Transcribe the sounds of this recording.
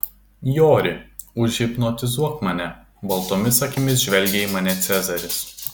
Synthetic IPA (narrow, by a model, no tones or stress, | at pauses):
joːɾʲɪʊʒʲɡʲɪpnɔt̪ʲɪzuɔkmɐnʲɛ | bɐlˠt̪oːmʲɪsɐkʲɪmʲɪsʒʲʋʲɛlʲɡʲɛimɐnʲɛt̪sʲæzɐɾʲɪs